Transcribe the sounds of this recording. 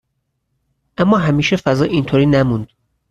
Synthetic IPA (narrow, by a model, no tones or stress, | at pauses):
ʔæmːɒːɦæmiːʃefæzɒːʔint̪ʰoːɾiːnæmund̪̥